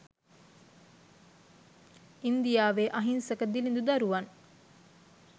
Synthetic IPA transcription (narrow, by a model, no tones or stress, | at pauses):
ind̪ijaːʋeːʔɐɦinsɐkəd̪ilind̪ud̪ɐɾuʋɐn